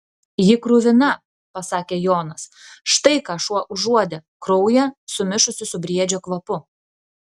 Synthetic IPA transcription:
jɪkɾʊʋʲɪnɐ | pɐsɑːkʲeːjoːnɐsʃt̪ɐɪkɑːʃuɔʔʊʒuɔd̪ʲɛkɾɔʊjɛsʊmʲɪʃʊsʲɪsʊbʲɾʲiɛd͡ʒʲoːkʋɐpʊ

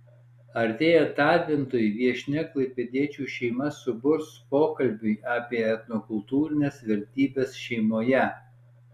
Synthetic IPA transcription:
ɐɾʲt̪ʲeːjɛt̪ɑːt̪ʲʋʲɪnt̪oːjʋʲiɛʃʲnʲɪklˠɐɪpʲɛd̪ʲiɛt͡ʃʲuːʃʲɛɪmɐsʊbʊɾspoːkɐlʲbʲʊɪɑːpʲiɛɛt̪nɔkʊlˠt̪uːɾʲɪnʲeːsʋʲɛɾʲt̪ʲiːbʲeːsʃʲɛɪmoːjɛ

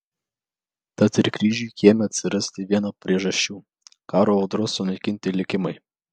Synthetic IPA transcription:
t̪ɐt̪ɪɾkɾʲiːʒʲuːˑkʲiɛmʲɛɐt̪ʲsʲɪɾɐsʲt̪ʲɪʋʲiɛnoːpʲɾʲiɛʒɐʃʲt͡ʃʲuː | kɑːɾoːɒʊd̪ɾʊsʊnɐɪkʲɪnʲt̪ʲɪlʲɪkʲɪmɐɪ

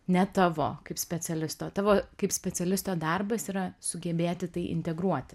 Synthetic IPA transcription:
nʲɛt̪ɑʋo̰ːkɐɪpsʲpʲɛsʲɛlʲɪst̪oːt̪ɑːʋoːkɐɪpsʲpʲɛt͡sʲɛlʲɪst̪oːd̪ɐrbɐsiːɾɐsʊɡʲɛbʲeːt̪ʲɪt̪ɐɪʔɪ̰nʲt̪ʲɛɡɾuɔt̪ʲ

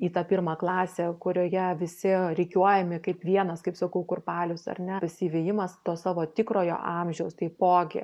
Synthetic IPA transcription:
iːt̪ɐpʲirmɐːklˠɑːsʲeːkʊɾʲoːjɛʋʲɪsʲɪɾʲɛɪkʲuɔjɛmʲɪkɐɪpʋʲiɛnɐskɐɪpsɐkɐʊkʊrpɑːlʲʊsɐ̰rnʲɛpɐsʲiʋʲeːjɪmɐst̪oːssɑːʋoːt̪ʲɪkɾoːjo̰ːʔɑːmʲʒʲɛʊst̪ɐɪpoːɡʲɪ̰

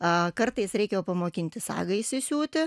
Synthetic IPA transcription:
kɐrt̪ɐɪsɾʲɛɪkʲɛjoːpɐmoːkʲɪnʲt̪ʲɪsɑ̰ːɡɐɪsʲɪsʲuːt̪ʲɪ

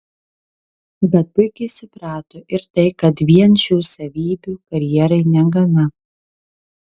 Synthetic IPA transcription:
bʲɛt̪̚pʊɪkʲɛɪsʊpɾɑːt̪oːʔɪɾt̪ɐɪkɐt̪ʋʲiɛnʃʲuːsɐʋʲiːbʲuːkɐɾʲjɛɛɾɐɪnʲɛɡɐnɐ

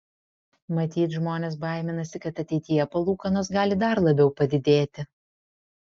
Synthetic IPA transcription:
mɐt̪ʲiːt̪ʒmoːnʲeːsbɐˑɪmʲɪnɐsʲɪkɐt̪ɐt̪ʲɛɪt̪ʲɪjɛpɐlˠuːkɐnoːs̬ɡɑːlʲɪd̪ɐɾlˠɐbʲɛʊpɐd̪ʲɪd̪ʲeːt̪ʲɪ

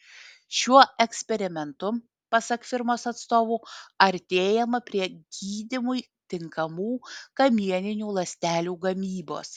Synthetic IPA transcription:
ʃʲuɔɛksʲpʲɛɾʲɪmʲɛnt̪ʊ | pɐsɐkfʲɪɾmoːsɐt̪st̪oːʋuːɐɾʲt̪ʲeːjɛmɐpʲɾʲiɛɡʲiːd̪ʲɪmʊj | t̪ʲɪŋkɐmuːkɐmʲiɛnʲɪnʲuːlˠɐsʲt̪ʲæːlʲuːɡɐmʲiːbo̰ːs

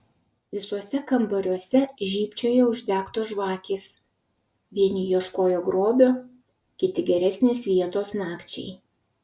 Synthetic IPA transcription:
ʋʲɪsuɔsʲɛkɐmbɐɾʲuɔsʲɛʒʲiːpʲt͡ʃʲoːjɛʊʒʲd̪ʲæːkt̪oːʒʋɑːkʲeːs | ʋʲiɛnʲiːjuɔʃkoːjoːɡɾoːbʲoː | kʲɪt̪ʲɪɡʲɛɾʲɛsʲnʲeːsʋʲiɛt̪oːsnɑːkt͡ʃʲɛ̰ɪ

